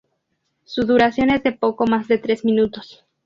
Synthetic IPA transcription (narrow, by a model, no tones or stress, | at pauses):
suðuɾasjo̞ne̞zðe̞po̞ko̞mazðet̪ɾe̞zmĩnut̪o̞s